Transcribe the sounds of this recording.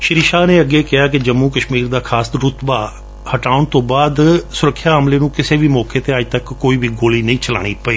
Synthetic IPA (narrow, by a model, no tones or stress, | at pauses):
ʃɪɾiʃaːnẽːəɡeːkɪaːk̬ɪd͡ʒəmːũːkəʃmiːɾd̪aːkʰaːsd̪ɾʊt̪baː | həʈaːʊɳt̪õːbaːd̪sʊɾəkʰːjaːɦəmleːnũːkɪseːʋiːmɔːkʰeːt̪eːəd͡ʒt̪əkːoːiːʋiːɡoːliːnəĩːt͡ʃəla̰ːɽ̃iːpəeː